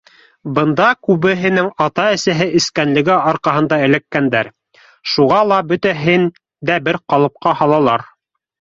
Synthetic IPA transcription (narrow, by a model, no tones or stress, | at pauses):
bɤ̆nd̪ɑkʉβɘ̆ɦɘ̆nɘŋɑt̪ɑɘ̆sæɦɘɘ̆skænlɘ̆ɡɘɑɾqɑɦɤ̆nd̪ɑɘ̆lækːænd̪æɾ | ʃuʁɑlˠɑbɵt̪æɦɘn | d̪æbɘɾqɑlˠɤ̆p̚qɑhɑlˠɑlˠɑɾ